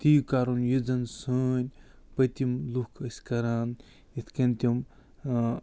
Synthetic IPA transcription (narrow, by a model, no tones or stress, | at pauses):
t̪ijukaːɾunjid͡zɐnsəːnʲ | pɐt̪imlukʰɐsʲkɐɾaːn | it̪ʰkɐnʲt̪ʲim